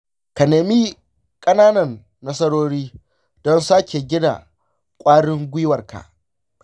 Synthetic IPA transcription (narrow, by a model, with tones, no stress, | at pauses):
ka˨neː˨miː˦ | kʼɐ˦naː˦nɐ˨nː | ɐ˦sɐ˦ɽoː˦ɽiː˦ | dɔ˦nsaː˦kʲe˨ɡʲɪ˦da̰˨ | kʷʼaː˦ɽɪ˦ŋɡʷɪ˦wɐ˨rka̰˨ʔ